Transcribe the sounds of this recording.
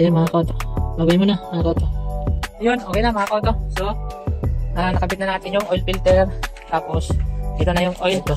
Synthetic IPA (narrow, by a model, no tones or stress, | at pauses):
ɛmɐhakot̪obaːɡɐjmonɐmɐakot̪ojonʔoːkɛjnɐmɐhakot̪oso | ʔaːnɐkɐbɪt̪̚nɐnaːt̪ɪnjʊŋʔojlpilt̪ɛɾt̪aːposd̪iːnonɐjʊŋʔojlt̪o